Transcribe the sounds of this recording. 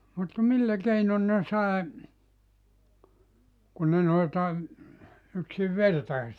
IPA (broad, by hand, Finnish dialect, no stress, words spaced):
mut milːæ keinon ne sɑˑe kun ne noiltɑ yksiʋ ʋertɑe